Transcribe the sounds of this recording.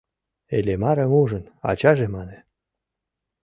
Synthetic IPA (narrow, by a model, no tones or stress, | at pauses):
elemɑɾĕmuʒə̆nɑ̰t͡ɕɑʒemɑne